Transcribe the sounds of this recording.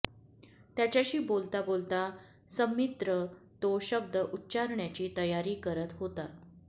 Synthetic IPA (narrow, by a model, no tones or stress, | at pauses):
t̪jat͡ɕjaɕiːbolt̪abolt̪a | səmit̪ɾə | t̪oɕəb̚d̪əʔutːt͡ɕaɾɳjat͡ɕiːt̪əjaɾiːkəɾət̪ɦot̪a